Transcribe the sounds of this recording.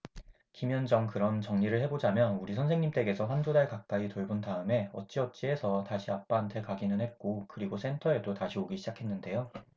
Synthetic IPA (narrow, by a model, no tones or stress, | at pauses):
kimjʌnd͡ʑʌŋkɯɾʌnt͡ɕʌŋɲiɾɯɭhe̞bod͡ʑamjʌnuɾisʰʌnsʰe̞ŋɲimt͈e̞ɡe̞sʰʌɸwandudaɭkak̚k͈aitoɭbuntaɯme̞ʌt̚t͡ɕ͈iʌt̚t͡ɕ͈ie̞sʰʌtaɕʰiap̚p͈aɦantʰe̞kaɡinɯnɦe̞t̚k͈okɯɾiɡos͈ʰe̞ntʰʌe̞dotaɕʰioɡiɕʰid͡ʑakʰe̞nːɯnde̞jo